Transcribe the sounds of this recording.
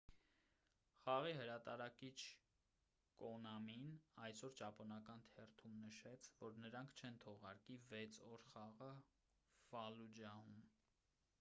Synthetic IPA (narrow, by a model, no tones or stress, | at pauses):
χɑʁihəɾɑt̪ɑɾɑkit͡ʃʰ | kɔnɑminɑjsɔɾt͡ʃɑpʰɔnɑkɑnt̪ʰɛrt̪ʰumnəʃɛt͡sʰvɔɾnəɾɑŋkʰt͡ʃʰɛnt̪ʰɔʁɑɾkivɛt͡sʰɔɾχɑʁə | v̥ɑlud͡ʒɑhum